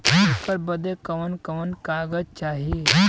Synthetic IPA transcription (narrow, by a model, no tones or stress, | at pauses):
kəɾbəd̪ekɐʋənkɐʋənkaːɡəd͡ʒt͡ʃaːɦi